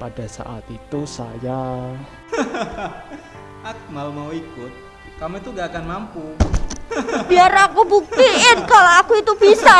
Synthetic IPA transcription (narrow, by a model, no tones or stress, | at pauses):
padasa̰ʔat̪it̪usa̰ja | ʔak̚malmauikʊt̪̚ | kamet̪uŋɡaːkanmampu | b̥iaɾakubuk̚t̪iɪnkaloakuit̪ub̥isa